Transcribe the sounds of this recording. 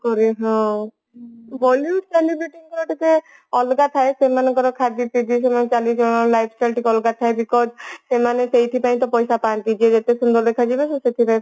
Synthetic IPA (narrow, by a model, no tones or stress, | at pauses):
kɔɾiɦɔ̃ | bɔljuʈkanibuʈiŋkɔɾɔʈike | ɔlɡat̪ʰaesemanekɔɾɔkʰad͡ʒit̪id͡ʒisemanet͡ʃalid͡ʒɔ̃ɔlajbʰsʈajlʈikɔlɡat̪ʰaebikɔd͡ʒsemanesejt̪ʰipaĩt̪ɔpɔjsapant̪id͡ʒied͡ʒat̪esund̪ɔɾd̪ekʰad͡ʒibeseset̪ʰipaĩ